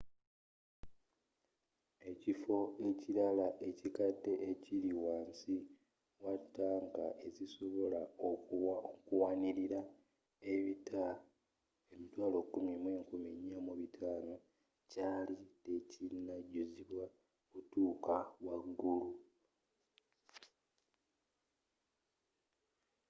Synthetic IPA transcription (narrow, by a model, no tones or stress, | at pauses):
e̞cifo̞eciɾalaʔe̞cikadːe̞ʔːciɾiwaːnsi | watːaːŋɡaʔe̞ziso̞βolao | kuwaniɾiɾa | e̞βita | emitwaːlo̞kːumimweːŋkumiɲamuβitʰaːno̞ | caːlite̞cinaɟuziβwa | kutuːkawaɡːulu